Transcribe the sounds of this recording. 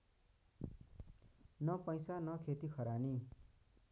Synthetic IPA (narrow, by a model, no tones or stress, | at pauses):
nʌpʌjsanʌkʰet̪ikʰʌɾani